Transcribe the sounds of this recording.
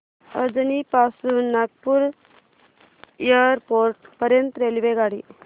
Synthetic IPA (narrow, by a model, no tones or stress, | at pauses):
əd͡zənipasunːak̚puɾ | ijəɾpoɾʈ̚pəɾjənt̪ɾelʋeɡaɽḭ